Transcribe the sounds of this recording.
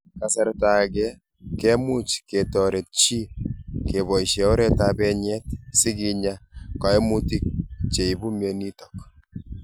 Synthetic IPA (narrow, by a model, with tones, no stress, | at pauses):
ka˨sa˨ɾta˨kɛ˦ | kɛ˦mu˦t͡ʃke˨tɔ˨ɾe˨t̚t͡ʃi˦ke˨βɔ˨i˨ʃɛ˨o˦ɾɛ˦tabɛ˦ɲɛ˦t̚si˦ki˦ɲa˦kɔ˨e˦mu˦ti˦k̚t͡ʃe˨i˨bu˦mje˨ni˦tɔ˨k̚